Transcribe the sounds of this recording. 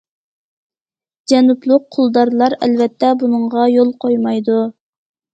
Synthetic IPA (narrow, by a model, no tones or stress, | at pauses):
d͡ʒɛnuplˠʊq̚qʰːʊlˠd̪ɑɾlˠɑɾɛ̰lvɛt̪ʰːɛbunəŋʁɑjolˠqʰojmɑjd̪u